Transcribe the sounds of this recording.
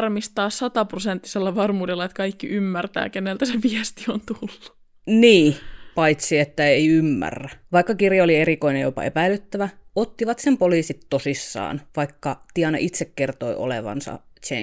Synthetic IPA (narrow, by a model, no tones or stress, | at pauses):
rmist̪ɑːssɑt̪ɑprosent̪ːi̥selːæʋɑrmuːdelːɑet̪kɑikːiʔymːært̪æ̰ːkenːelt̪æseʋiɛst̪iont̪ulːu̥ | niːpɑit̪siet̪ːæeiymːæ̰rːæʋɑikːɑkirjɑolieɾikoinejopɑ̰epæilˑyt̪ːæʋæot̪ːiʋɑt̪sempoliːsit̪tosisːɑ̰ːnʋɑikːɑt̪iɑnɑ̰ʔit̪sekkert̪oio̰lḛʋɑ̰nsɑ̰t͡ʃḛ